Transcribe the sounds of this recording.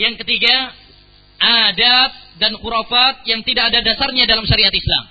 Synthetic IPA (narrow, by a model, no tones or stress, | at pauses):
jaŋkət̪iɡa | ʔadat̪̚danxuɾafat̪̚jaŋt̪idakadadasarɲadalamʃaɾiat̪isla̰m